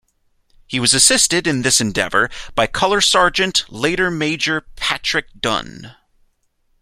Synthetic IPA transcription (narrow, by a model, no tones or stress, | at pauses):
hiwʌzɨsɪstɨɾɨ̃nðɪsɨ̃ndɛ̰və̰˞b̥aɪkʰʌlˠə˞sɑɹd͡ʒɨ̃nʔleɪɾə˞meɪd͡ʒə˞pʰæt͡ʃɹ̥ɨk̚d̥ʌ̰̃n